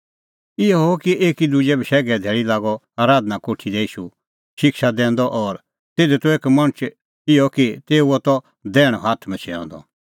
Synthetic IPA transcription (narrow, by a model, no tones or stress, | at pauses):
ɪjɔɦokieːkid̪ud͡ʒɛbʱiʃɛːɡɛd̪ʱɛːɭilaːɡɔ | aːɾaːd̪nakoːʈʰid̪ɛiːʃu | ʃɪkʃad̪ɛ̃ːnd̪ɔʔɔːɾ | t̪eːd̪ɛt̪ueːkmɐ̃ɽ̃ət͡ʃ | ɪjɔkit̪eːuɔt̪ɔ | d̪ɛːɽ̃ɔɦaːt̪ʰmɛ̃t͡ʃʰɛã̰ːnd̪ɔ̰